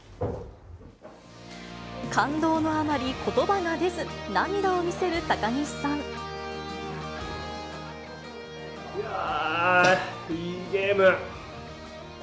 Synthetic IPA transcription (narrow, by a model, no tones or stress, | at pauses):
kãnd̪o̞ːno̞amaɾʲikʰo̞t̪o̞baɡad̪e̞zɨnãnd̪aomʲise̞ɾɯ̟t̪akaɲisãɴ | ja | iɡeːmɯ